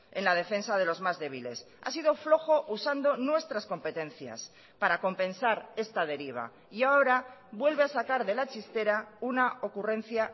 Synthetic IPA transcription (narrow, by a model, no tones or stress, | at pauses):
e̞nlað̞e̞fe̞nsað̞e̞lo̞zmazðe̞β̞ile̞̰s | a̰siðo̞flo̞xo̞ʔusand̪o̞nwe̞st̪ɾasko̞mpe̞t̪ẽ̞nθja̰s | paɾako̞mpẽ̞nsaɾe̞st̪að̞e̞ɾiβ̞a̰ | iao̞ɾaβwe̞lβeasakaɾðe̞lat͡ʃist̪e̞ɾaunao̞kurẽ̞n̟θja